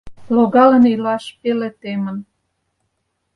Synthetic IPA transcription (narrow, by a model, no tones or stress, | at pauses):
loɣɑlə̆nilɑʃpelĕt̪emə̆n